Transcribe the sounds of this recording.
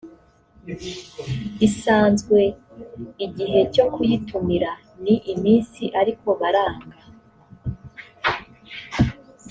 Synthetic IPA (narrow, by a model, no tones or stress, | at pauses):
isaːnzɡwe̞ | iɟiɦe̞co̞kujitumiɾa | niʔimiːnsiʔaɾiko̞βaɾaːŋɡa